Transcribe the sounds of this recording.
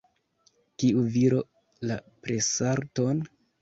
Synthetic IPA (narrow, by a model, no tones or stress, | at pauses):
kiuviɾo̞ | lapɾesaɾto̞n